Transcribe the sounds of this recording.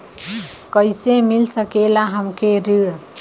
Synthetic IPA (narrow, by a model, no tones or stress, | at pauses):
kəjsemilsəkelaɦəmkeɾiɽ